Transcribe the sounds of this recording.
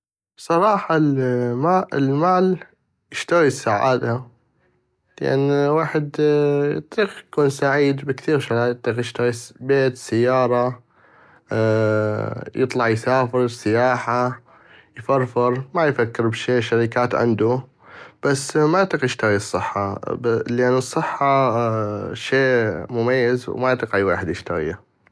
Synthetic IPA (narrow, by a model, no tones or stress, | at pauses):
bsˤɑɾˤɑːħɑlaɪ̰lmaːl | jɪʃt̪aɣisːaʕa̰ːd̪a | la̰ʔa̰nwaːħɪd̪jɨ̰t̪ˤiːqjkuːnsaʕiːd̪bɪkθiːɾʃaɾjt̪ˤːiːqjɪʃt̪aɣibeːt̪sajːɑːɾˤɑ | jɨt̪ˤlɑʕjsaːfɪɾsɪjaːħa | jfɑɾˤfɪɾmajfakːɪɾbʃiːʃaɾikaːt̪ʕɪ̰nd̪u | b̥asːmajt̪ˤːiqjɪʃt̪aɣisˤːɨħːɑ̰blʔanːɨsˤːɨħːɑ | ʃeːmʊmajːɪzwmajt̪ˤːqʕiwa̰ːħɪd̪jɪʃt̪aɣḭ